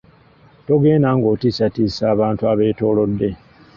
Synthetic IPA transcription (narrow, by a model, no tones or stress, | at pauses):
to̞ɡe̞ːnaŋɡo̞tisatiːsaːβaːntuaβe̞ːto̞ːlo̞dːe̞